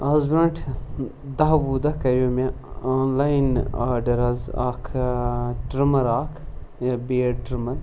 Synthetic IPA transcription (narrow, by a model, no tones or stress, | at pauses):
ɐzbɾɐɳʈʰ | d̪ɐɦʋuːd̪ɐkɐɾjoːme | aːnlajna̰ːɾɖɐɾɐza̰ːkʰ | ɖɾimɐɾaːkʰ | jɐbeːɾɖɾɨmɐɾ